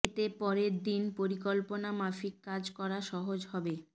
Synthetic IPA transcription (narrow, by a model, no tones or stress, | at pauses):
et̪epɔɾeɾd̪inpoɾikolponamafikːad͡ʑkɔɾaʃɔɦod͡ʑɦɔbe